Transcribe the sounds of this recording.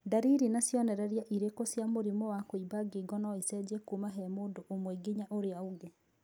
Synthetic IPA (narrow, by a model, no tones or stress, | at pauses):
daɾiɾinasjɔnɛɾɛɾjaʔiɾekosjamoɾimɔwakoibaɡeɡɔnaisɛd͡ʑɛkumaɦɛmoːndoʔomwɛɡiɲaʔoɾeaoɡe